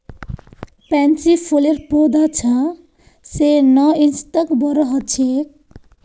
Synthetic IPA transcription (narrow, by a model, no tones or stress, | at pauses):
pant͡sipʰuleɾpod̪at͡sʰʌ̃ | senʌinst̪ʌkbʌɾʌɦʌt͡sʰek̚